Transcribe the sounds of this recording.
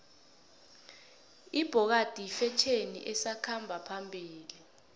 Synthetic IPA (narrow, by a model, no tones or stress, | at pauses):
ib̥ʱɔk̬ad̥ʱifɛt͡ʃʰenḭʔɛsakʰambʱapʰambʱiːli